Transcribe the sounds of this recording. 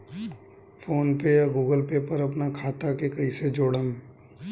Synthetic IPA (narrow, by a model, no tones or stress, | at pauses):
fʰoːnpejaɡuːɡəlpepɐɾɐpnakʰaːt̪akekɐised͡ʒoːɽən